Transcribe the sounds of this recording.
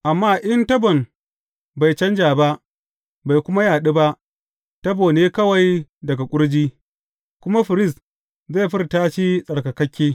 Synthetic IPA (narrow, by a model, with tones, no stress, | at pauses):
ʔa˨mːaː˦˨ʔɪ˦ntɐ˦bɔ˨n | ba˨jt͡ʃɐ˦nd͡ʒaː˨ba˦ʔ | ba˨jkʷʊ˦ma˦jaː˨ɗi˦ba˦ʔ | tɐ˦boː˨neː˦kɐ˦wa˨jdɐ˨ɡa˨kʷʼʊ˦ɽd͡ʒiː˦ | kʷʊ˦ma˦ɸɪ˨ɾɪ˦˨s | za˦˨ɸɪ˦rtaː˦ʃiː˦sʼɐ˨rkɐ˨kɐ˦kʲːeː˦